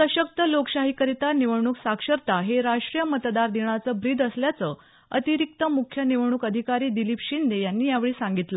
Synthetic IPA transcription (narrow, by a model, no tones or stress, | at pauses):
səɕək̚t̪əlokɕaɦikəɾit̪aniʋɳuːksakʂəɾt̪aɦeɾaʂʈɾijəmət̪d̪aɾd̪eɳ̃at͡səbɾiːd̪əsljat͡sə | ət̪iɾik̚t̪əmukʰjəniʋɳ̃uːkəd̪ʱikaɾiːd̪ilipɕind̪ejanːiːjaʋeɭiːsaŋɡit̪lə